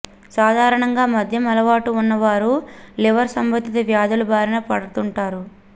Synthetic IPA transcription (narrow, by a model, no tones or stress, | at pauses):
saːd̪ʱaːɾɐɳɐŋɡaːmɐd̪ʱjɐmɐlɐʋaːʈuːnːɐʋaːɾuliʋɐɾsɐmbɐd̪ːit̪ɐʋjaːd̪ulubʱaːɾɐnɐpɐɽut̪uɳʈaːɾu